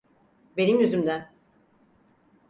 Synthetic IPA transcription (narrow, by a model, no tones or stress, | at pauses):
be̞nimjyzymd̪æn